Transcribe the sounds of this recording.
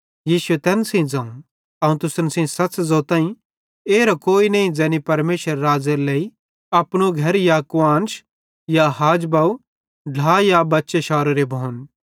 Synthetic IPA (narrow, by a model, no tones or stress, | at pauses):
jiːʃʊet̪ɛːnsẽd͡zãũ | ɐũt̪ʊsənsẽsɐsd͡zoːt̪ãːĩ | eːɾakoːinɐĩd͡zɛːnipɐɾmeːʃəɾːaːd͡zeɾlei | ɐpɽ̃oɡʱɐɾjakʋãːnʃ | jaɦaːd͡ʒbaːu | ɖ̤ʱaːjabɐtːʃeʃaːɾoɾebʱoʊn